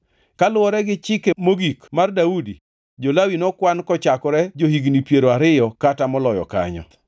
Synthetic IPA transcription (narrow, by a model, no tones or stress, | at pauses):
kalʊwɔɾɛɡɪt͡ʃɪkemoɡikmardaudi | d͡ʒolawinɔkwankɔt͡ʃakɔɾɛd͡ʒohiɡnipjeɾoaɾɪjɔkatamɔlɔjɔ̰ka̰ɲɔ̰